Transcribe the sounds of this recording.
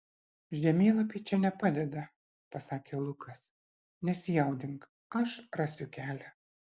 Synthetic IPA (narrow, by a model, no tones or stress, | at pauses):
ʒʲdʲɛmʲeːlˠɐpʲiːt͡ʃʲɛnʲɛpɑːd̪ʲɛd̪ɐ | pɐsɑːkʲeːlˠʊkʰɐs | nʲɛsʲɪjɛʊd̪ʲɪŋk | ɐʃɾɑːsʲʊkʲæːlʲæ